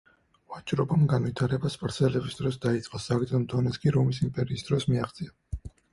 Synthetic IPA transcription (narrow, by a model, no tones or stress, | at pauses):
vat͡ʃʼɾɔbamɡanvit̪ʰaɾɛbaspʼɾt̪sʰɛlɛbisd̪ɾɔsd̪ait̪sʼqʼɔsaɡd̪zɛmd̪ɔnɛskʰʼiɾɔmisimpʼɛɾiːsd̪ɾɔsmiaχt̪sʼia